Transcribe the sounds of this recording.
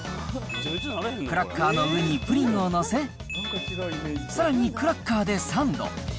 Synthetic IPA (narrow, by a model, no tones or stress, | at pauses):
kɯ̟ɾakʰːaːno̞ɯɲ̟ipɯ̟ɾʲĩŋo̞no̞se̞ | saɾaɲ̟ikɯ̟ɾakːaːd̪e̞sãnd̪o̰